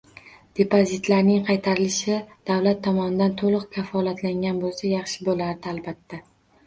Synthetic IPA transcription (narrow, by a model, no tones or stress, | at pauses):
d̪̥e̞pozit̪laɾnɪŋqʰɑjt̪ʰaɾɪlɪʃɪd̪̥awlat̪ʰːɒmɒnɪd̪ant̪ʰolˠɨqkʲʰafɒlat̪ʰlaŋɡʲanbolˠsajɑχʃɪbolaɾd̪ɪalˠbat̪ːa